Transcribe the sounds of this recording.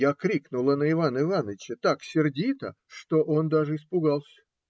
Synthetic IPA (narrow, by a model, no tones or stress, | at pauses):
jakɾʲiknʊlˠənəɪvanəɪvanəvʲɪt͡ɕət̪aksʲɪrdʲit̪ə̰ | ʂt̪o̞ʔo̞nd̪aʐɨɪspʊɡalˠsʲə̥